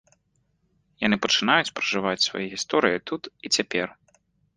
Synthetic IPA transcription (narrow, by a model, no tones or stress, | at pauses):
janɨpɐt͡ʂɨnajut͡sʲpɾɐʐɨvat͡sʲsva̰jiɣʲist̪ɔɾɨjit̪ut̪it͡sʲapʲɛr